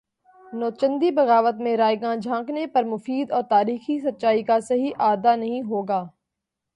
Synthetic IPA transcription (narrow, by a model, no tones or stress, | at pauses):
nɔːt͡ʃə̃nd̪ibɐɣaːʋət̪mẽɾaːjɡãːd͡ʒʱãːknepɐɾmʊfiːd̪ɔːɾt̪aːɾiːxisɐt̚ːʃaːikasɐɦiʔaːd̪anɐɦĩɦoːɡaː